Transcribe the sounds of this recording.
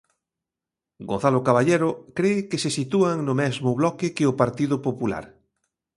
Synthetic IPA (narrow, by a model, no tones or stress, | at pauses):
ɡo̰n̟θalʊkaβaʎeɾʊkɾekesesit̪uaŋnʊmɛzmʊβlɔkɪkɪʊpaɾt̪ið̞ʊpopula̰ɾ